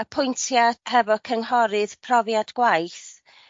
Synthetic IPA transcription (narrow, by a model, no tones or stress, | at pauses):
əpʰʊjntʰjahɛvɔkʰəŋhɔɾɨðpʰrɔvjadɡ̥wajθ